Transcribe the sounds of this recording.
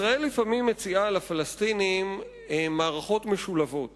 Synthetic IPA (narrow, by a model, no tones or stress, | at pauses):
ʁae̞lːifamimːet͡sialafalastinim | maːʁaχo̞tmeʃulavo̞t